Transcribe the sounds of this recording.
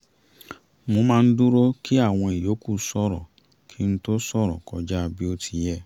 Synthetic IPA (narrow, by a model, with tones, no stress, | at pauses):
mo˧mãː˦˧n̩˦du˦ɾo˦kʰi˦a˦˨w̃ɔ̃˧i˨jo˨˦ku˦˨sɔ˧ɾɔ̰˨ | kʰi˦n̩˦to˦sɔ˦˨ɾɔ̰˨kɔ˧d͡ʒa˦˧bi˦o˦tʰi˧jɛ˦˨